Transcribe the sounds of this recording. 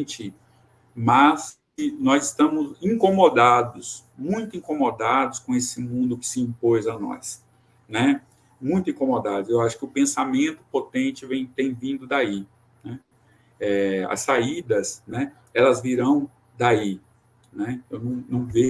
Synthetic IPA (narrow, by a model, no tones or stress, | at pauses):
t͡ʃɪ | mɐs | ɪnɔzɪst̪ɐ̃mʊzĩkõmod̪ad̪ʊs | mũj̃t̪ʊĩkõmod̪ad̪ʊskõesɪmũnd̪ʊkɪ̥sɪĩpojzɐnɔ̰s | nɛ | mũj̃t̪ʊĩkomod̪ad̪ʊzewaʃʊ̥kɪʊpẽsamẽnt̪ʊ̥pot̪ẽt͡ʃɪvẽj̃t̪ẽj̃vĩnd̪ʊd̪ai | nɛ | ɛɐ̰sːaid̪ɐsnɛ | ɛlɐzviɾɐ̃w̃ | d̪ai | nɛewnɐ̃w̃nɐ̃w̃ve